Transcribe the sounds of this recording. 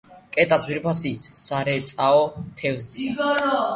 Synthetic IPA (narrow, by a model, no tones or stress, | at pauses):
kʼɛt̪ʼad̪zʰʼwiɾpʰasisaɾɛt̪sʼaɔt̪ʰɛvzi